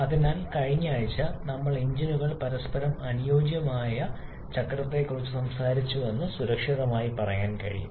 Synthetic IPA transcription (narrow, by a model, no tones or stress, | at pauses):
ɐðinaːlkɐɻiɲːaːɻit͡ɕːɐnɐmːɐɭiɲd͡ʑinuɣɐɭpɐɾɐspɐɾɐmɐnijo̞ːɡjɐmaːjɐ | t͡ɕɐkːrɐt̪ːe̞kːurit͡ɕːusɐmsaːɾit͡ɕːue̞nːɨsuɾɐkʂiðɐmaːjipɐrɐjaːnkɐ̰ɻḭjṵ